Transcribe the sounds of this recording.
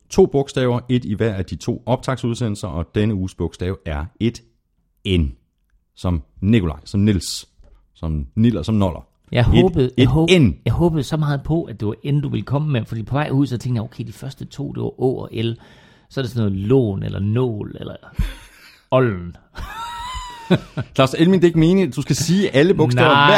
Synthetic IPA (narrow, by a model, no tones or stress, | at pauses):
t͡sʰo̝̰ːb̥ɔ̽ɡ̥sd̥ɛːʊɐʔe̝d̥iʋæɐ̰æd̥it͡sʰo̝̰ːɒ̽b̥̚t͡sʰɑ̈ɡ̥suð̞ˠsen̰l̩sɐʔɒ̽d̥enəuːsb̥ɔ̽ɡ̥sd̥ɛːʊæɐe̝d̥ | en | sɒ̽mnikʰo̝lɑ̈ɪsɒ̽mnils | sɒ̽mnil̰ɐsɒ̽mnɒlɐ | jɑ̈ɪhɔːb̥ð̩ˠjɔenjɑ̈ɪhɔ̽ːb̥ð̩ˠsɒ̽mɑ̈ːð̞̩ˠpʰɒ̽ʔæ̥d̥e̝ʋɑ̈ʔend̥uʋe̝lkʰɒ̽məmefɒdḭːpʰɒ̽ʋɑ̈ɪ̰huð̰ˠsɒ̽t͡sʰẽŋɡd̥jaoʊkʰeɪd̥ifɶɐsd̥ət͡sʰo̝̰ːd̥e̝ʋɑ̈ʔɔ̰ːɒʔel | sɒɐdesɒ̽nːɔːðˠlɔ̰ːnḛlʔɐnɔ̰ːlelɐ | ɒ̽ln̩ | kʰlɑ̈ʊselmind̥e̝eɡ̥me̝ːnəd̥usɡ̥æsiːʔæləb̥ɔ̽ɡ̥sɛ̰ʊæ